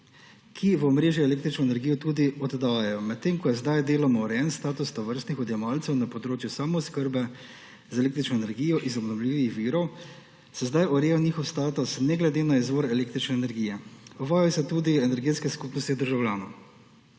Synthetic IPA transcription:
kʰiʋɔmɾeːʒjɛɛleːkt̪ɾit͡ʃnɔɛnɛɾɡijɔt̪uːd̪iɔd̪d̪aːjajɔmɛt̪ːeːmkɔjɛzd̪ajd̪eːlɔmɔɾɛjɛnst̪aːt̪ust̪ɔʋəɾst̪nixɔd̪jɛmaːlt̪sɛwnapɔd̪ɾoːt͡ʃjusaːmɔskəɾbɛ | zaeleːk̚t̪ɾit͡ʃnɔɛnɛɾɡiːjɔʔizɔbnɔwlʲiːʋixʋiːɾɔw | sɛzd̪ajʔɔɾeːjaniːxɔwst̪aːt̪usnɛɡlɛd̪eːnaizʋoɾɛleːk̚t̪ɾit͡ʃnɛːnɛɾɡiːjɛɔʋaːjɔsɛt̪uːd̪iɛnɛɾɡeːt̪skɛskupnɔst̪id̪əɾʒawlʲjaːnɔ

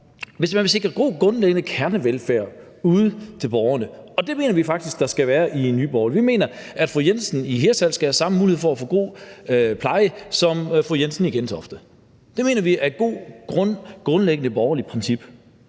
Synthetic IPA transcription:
ʋe̝s̬mænʋe̝se̝ɡ̥ʁɐɡ̥o̝̰ːɡ̥ʁɔ̽nleɡ̥ənəkʰæɐnəʋelfæɐ̰ | uːð̞̩ˠt͡sʰe̝lb̥ɒʊɐnəɒ̽d̥e̝me̝̰ːnɐʋifɑ̈ɡ̥d̥isɡ̥̚d̥ɑ̈sɡ̥æʋæːɐʔinːy̰ːb̥ɒʊlʋime̝̰ːnɐʔæd̥fʁujensn̩iɦe̝ːɐsæl̰sɡ̥æhæsɑ̈məmuːihe̝̰fɒæfo̰ːɡ̥o̝̰ːpʰlɑ̈ɪəsɒ̽mfʁujensn̩iɡ̥ensʰɒ̽fd̥ə | d̥e̝me̝̰ːnɐʋiʔæɐɡ̥o̝̰ːɡ̥ʁɔɡ̥ʁɔ̽nleɡ̥ənəb̥ɒʊɐlipʰʁɛnsib̥

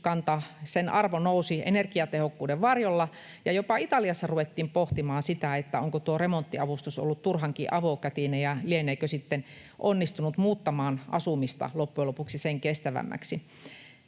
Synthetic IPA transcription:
kɑnt̪ɑsenʔɑrʋonousiʔḛnerkiɑt̪ehokːuːdeʋʋɑrjolːɑ | jɑjopɑit̪ɑliɑsːɑruʋet̪ːiːmpoht̪imɑːnsit̪æet̪ːæoŋkot̪uoremont̪ːiɑʋust̪uso̰lːut̪t̪urhɑŋkiʔɑʋoˑkæt̪inejɑlieneikøsit̪ːen | ʔonːist̪unut̪muːt̪ːɑmɑːnʔɑ̰sumist̪ɑ̰lopːuelopuksiseŋkest̪æʋæ̰mːæ̰ksi

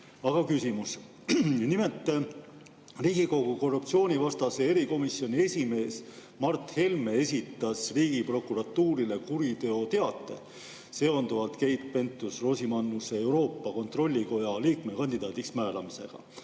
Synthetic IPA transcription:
ɑɡ̥ɑkysimus | nimelt̪ːˑ | riːɡ̥iko̞ɡuko̞rːup̚t̪sio̞ːnʲivɑst̪ɑse̞e̞ɾiko̞misio̞nʲie̞sʲime̞ːs | mɑrt̪he̞lmee̞sʲit̪ːˑɑsriːɡ̥ipro̞kuɾɑt̪ːuːɾile̞kuɾit̪e̞o̞t̪e̞ɑt̪ːˑe̞̰ | se̞o̞nd̪uvɑlt̪ke̞jt̪̚pe̞nt̪ːˑusro̞ːsimɑnːuse̞ewɾo̞ːpːɑko̞nt̪ro̞lʲːiko̞jɑliːkme̞kɑnʲd̪̥id̪̥ɑːt̪iksmæːlɑmise̞̰ɡ̥ɑ̰

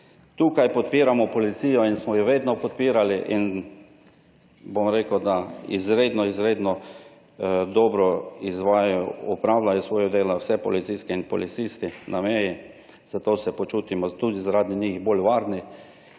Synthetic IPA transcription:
t̪uːkajpɔt̪̚piːɾamɔpɔlit̪siːjɔinsmɔjoʋeːd̪nɔpɔt̪piːɾaliʔin | bomɾeːkəd̪aḭzɾeːd̪nɔizɾeːd̪nɔ | d̪ɔbɾɔizʋaːjjjɔɔpɾawlajɔsʋɔːjɔd̪eːlawsɛpɔ̰lit̪siskɛinpɔlit̪sist̪ɪnʔameːji | z̥at̪oːsɛpɔt͡ʃuːt̪imɔt̪uːd̪izaɾaːd̪iɲixbolʋaɾnɪ

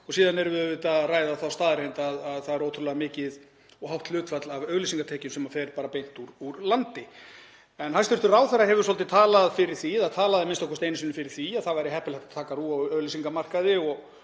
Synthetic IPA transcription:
ɔɣsiːðanɛɾvʏvɪt̪araːjðaθawst̪aːðɾejnt̪aðaðθaðɛɾoːwt̪ʰɾʏlɛɣamɪːcɪð | ɔhawht̪lʏːt̪fat̪lavœɣlisiŋkat̪ʰɛːcɪnsɛmafɛɾpaːɾapejn̥t̪uɾuɾlant̪ɪ | ɛnhast̪ʏɾ̥t̪ʏraːwθarːaɦɛvʏɾ̥sɔlt̪ɪt̪ʰaːlaðfɪɾɪɾ̥θiθaðt̪ʰaːlaðɪmɪnst̪ɔkʰɔst̪ejnɪsinɪfɪɾɪɾ̥θiaðθavajɾɪɦɛhpɪlɛhkt̪at̪ʰaːkaruːaœɣlisiŋkamar̥kaðɪɔɣ

